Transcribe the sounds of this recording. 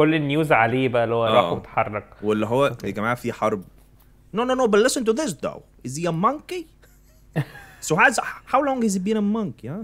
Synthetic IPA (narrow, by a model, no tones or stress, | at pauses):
kolːnjuːzʕaliːbæʔlːhowːæɾˤɑːħmet̪ħɑrˤːɑq̚welːiɦowːæɡæmaʕfiħɑɾˤb̚ | noːnonoːbillɪsə̃nt̪uðɪs̬d̪o̰wʔɪziæmːɑŋki | soɦazhawlɔŋɡizibiːnæmːɑŋkijæ